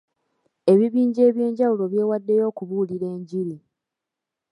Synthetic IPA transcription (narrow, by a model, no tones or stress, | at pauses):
e̞βiβiːɲɟe̞ːβje̞ːɲɟawulo̞βje̞ːwadːe̞jo̞ːkuβuːliɾe̞ːɲɟiɾi